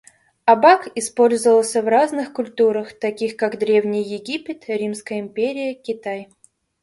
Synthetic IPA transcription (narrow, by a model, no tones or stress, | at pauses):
ɐbakɪspo̞lʲzəvəlˠsʲəvraznɨxkʊlʲt̪uɾəxt̪ɐkʲixkaɡd̪ɾʲe̞vnʲɪjːɪɡʲipʲɪt̪ɾʲimskəjəɪmʲpʲeɾʲɪjəkʲɪt̪aj